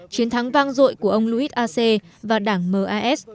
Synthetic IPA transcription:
t͡ɕi˨˦ənt̪ʰa˨˦ŋvaː˧ŋzo̰˧˨jku˧˩əʔə˧wŋ͡mlu˧ʔi˦˥t̚ʔaː˧se˧vaː˨˩ɗaː˧˩ŋməː˨˩ʔaː˧ʔɛ˦˥t̚

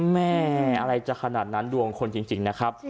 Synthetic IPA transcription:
mɛː˥˩˥ʔa˧ɾa˧jt͡ɕa˨˩kʰa˧naː˨˩t̪̚na˦˥ndu˧əŋkʰo˧nt͡ɕi˧ŋt͡ɕi˧ŋna˦˥kʰɾa˦˥p̚

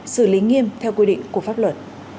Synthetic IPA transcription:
sɨ˧˩li˨˦ŋi˧əmt̪ʰɛ˧wkwi˧ɗḭ˧˨ŋ̟ku˧˩əfaː˦˥p̚lwə˨˩t̚

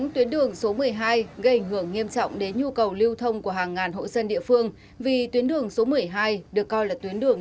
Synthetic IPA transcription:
ŋt̪wi˨˦ənɗɨ˨˩əŋso˨˦mɨ˨˩əjɦaː˧jɣə˧jʔa˧˩jŋ̟ɦɨ˧˩əŋːi˧əmt͡ɕɔ̰˧˨wŋ͡mɗe˨˦nɲu˧kə˨˩wli˧wt̪ʰə˧wŋ͡mku˧˩əɦaː˨˩ŋːaː˨˩nɦo̰˧˨jsə˧nɗḭ˧˨əfɨ˧əŋ | vi˨˩t̪wi˨˦ənɗɨ˨˩əŋso˨˦mɨ˨˩əjɦaː˧jɗɨ˨˩əkːɔ˧jlaː˨˩t̪wi˨˦ənɗɨ˨˩əŋ

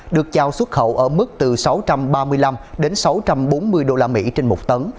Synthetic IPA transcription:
ɗɨ˨˩ək̚t͡ɕaː˧˩wswə˦˥t̚xə̰˧˨wʔəː˧˩mɨ˦˥k̚t̪ɨ˨˩sa˨˦wt͡ɕa˧mɓaː˧mɨ˧əjla˧mɗe˨˦nsa˨˦wt͡ɕa˧mɓo˨˦nmɨ˧əjɗo˧laː˧mḭ˧˥t͡ɕe˧nmo˨˩k͡p̚t̪ə˨˦n

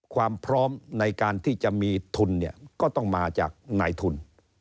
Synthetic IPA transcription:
kʰwaː˧mpʰɾɔː˦˥mna˧jkaː˧nt̪ʰiː˥˩t͡ɕa˨˩ʔmiː˧t̪ʰu˧nːi˥˩ɐkɔː˥˩t̪ɔ˥˩ŋmaː˧t͡ɕa̰ː˨˩k̚naː˧jt̪ʰu˧n

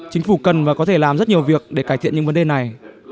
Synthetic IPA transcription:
t͡ɕï˨˦ŋ̟fu˧˩kə˨˩nvaː˨˩kɔ˨˦t̪ʰe˧˩laː˨˩mzə˦˥t̚ɲi˨˩əwvi˨˩ək̚ɗe˧˩kaː˧˩jt̪ḭ˧˨əɲɨ̰˧˥ŋvə˨˦nɗe˨˩na˨˩j

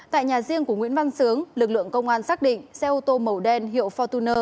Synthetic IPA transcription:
t̪a̰ː˧˨jɲaː˨˩zi˧əŋku˧˩əŋw̰i˧˥ənva˧nsɨ˨˦əŋlɨ˨˩k̚lɨ̰˧˨əŋkə˧wŋ͡mʔaː˧nsaː˦˥k̚ɗḭ̈˧˨ŋ̟sɛ˧ʔu˧t̪o˧mə˨˩wɗɛ˧nɦḭ˧˨əwfɔ˧t̪u˧nəː˧

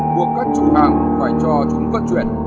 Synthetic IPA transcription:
ku˧˦əkkaː˦˥k̚t͡ɕʊ˨˧˦ŋ͡mha˧˩ŋzaː˧˩jt͡ɕɔ˧˩t͡ɕʊ˨˦ŋ͡mkə˦˥t̚t͡ɕwḭ˧˨ə˨n

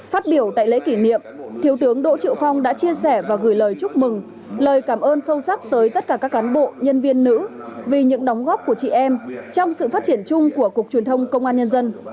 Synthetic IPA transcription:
faː˦˥t̚ɓi˧˩əwt̪a̰ː˧˨jlḛ˧˥ki˧˩nḭ˧˨əmt̪ʰi˨˦əwt̪ɨ˨˦əŋɗo̰˧˥t͡ɕḭ˧˨əwfa˧wŋ͡mɗa̰ː˧˥t͡ɕi˧əsɛ˧˩vaː˨˩ɣɨː˧˩jləː˨˩jt͡ɕʊ˦˥k͡p̚mɨ˨˩ŋ | ləː˨˩jkaː˧˩mʔəː˧nsə˧wsa˦˥k̚t̪əː˨˦jt̪ə˦˥t̚kaː˧˩kaː˦˥kːaː˨˦nɓo̰˧˨ɲə˧nvi˧ənːɨ̰˧˥ | vi˨˩ɲɨ̰˧˥ŋɗa˨˦wŋ͡mɣɔ˦˥p̚ku˧˩ət͡ɕḭ˧˨ʔɛ˧mt͡ɕɔ˧wŋ͡msɨ̰˧˨faː˦˥t̚t͡ɕi˧˩ənt͡ɕʊ˧ŋ͡mku˧˩əku˨˩ək̚t͡ɕwi˨˩ənt̪ʰə˧wŋ͡mkə˧wŋ͡mʔaː˧nɲə˧nzə˧n

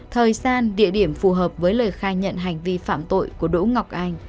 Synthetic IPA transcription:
t̪ʰəː˨˩jsaː˧nɗḭ˧˨əɗi˧˩əmfu˨˩ɦəː˨˩p̚vəː˨˦jləː˨˩jxaː˧ɲə̰˧˨nɦa˨˩jŋ̟vi˧fa̰ː˧˨mt̪o̰˧˨jku˧˩əɗṵ˧˥ŋa˨˩wk͡p̚ʔa˧jŋ̟

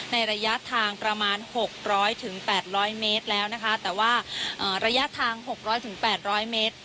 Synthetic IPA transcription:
na˧jɾa˧ja˦˥ʔt̪ʰaː˧ŋpɾa˧maː˧nho˨˩k̚ɾɔː˦˥jt̪ʰɯ˩˦ŋpɛː˨˩t̪̚ɾɔː˦˥jmeː˦˥t̪̚lɛː˦˥wna˦˥kʰa˦˥t̪ɛː˨˩waː˥˩ʔɤː˨˩ɾa˧ja˦˥t̪ʰaː˧ŋho˨˩k̚ɾɔː˦˥jt̪ʰɯ˨˩˦ŋpɛː˨˩t̪̚ɾɔː˦˥jmeː˦˥t̪̚

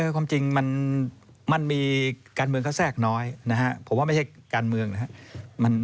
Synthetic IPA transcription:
ɤː˧˩kʰwaː˧mt͡ɕi˧ŋma˧n | ma˧nmiː˧kaː˧nmɯ˧əŋkʰa˥˩wsɛː˥˩k̚nɔː˦˥jna˦˥kʰa˦˥ʔpʰo˩˦maː˧˩ma˥˩jhʰa˥˩kaː˧nmɯ˧əŋna˦˥a˦˥ʔma˧n

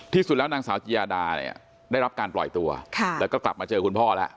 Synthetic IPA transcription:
t̪ʰiː˥˩su˨˩lɛː˦˥wnaː˧ŋsaː˩˦wt͡ɕʰi˧jaː˧daː˧n˨ḭ˨˩ɐ | daː˥˩jɾa˦˥p̚kaː˧nplɔ̰˨˩jt̪u˧ɐkʰa˥˩lːɛ˦˥wkɔː˥˩kla̰˨˩p̚maː˧t͡ɕɤː˧kʰu˧npʰɔː˥˩lɛ˦˥ʔ

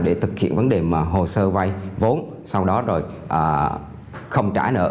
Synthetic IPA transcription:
ɗe˧˩t̪ʰɨ˨˩k̚hḭ˧˨ənvə˨˦nɗe˨˩maː˨˩ɦo˨˩səː˧va˧jvo˨˦n | sa˧wɗɔ˨˦zo˨˩j | ʔəː˨˩ | xə˧wŋ͡mt͡ɕa̰ː˧˩nə̰ː˧˨

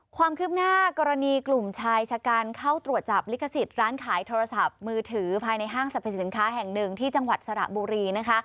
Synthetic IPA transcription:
kʰwaː˧mkʰɯ˦˥p̚naː˥˩kɔː˧ɾa˧niː˧klu˨˩mt͡ɕʰaː˧jt͡ɕʰaː˧kaː˧nkʰa˥˩wt̪ɾu˨˩ət̪̚t͡ɕa˨˩p̚li˦˥kʰa˧si˨˩t̪̚ɾaː˦˥nkʰaː˩˦jt̪ʰoː˧ɾa˧sa˨˩p̚mɯː˧t̪ʰɯː˩˦pʰaː˧jna˧jɦaː˥˩ŋsa˨˩pʰːa˨˩si˩˦nkʰaː˦˥ɦɛ˨˩ŋnɯ˨˩ŋt̪ʰiː˥˩t͡ɕa˧ŋwa˨˩t̪̚sa˧ɾa̰˨˩ʔbuː˧ɾiː˧na˦˥kʰa˦˥ʔ

